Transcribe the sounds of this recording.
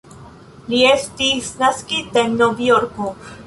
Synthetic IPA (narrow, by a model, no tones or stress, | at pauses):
liest̪isnaskid̪ennovijoɾko